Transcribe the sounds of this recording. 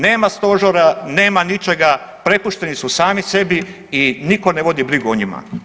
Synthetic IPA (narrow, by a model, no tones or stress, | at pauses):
ne̞ːmast̪o̞ʒoɾane̞ːmanit͡ʃe̞ɡa | pɾe̞puʃt̪e̞nisusaːmise̞bi | iniko̞neʋo̞d̪ibɾiɡuoɲima̰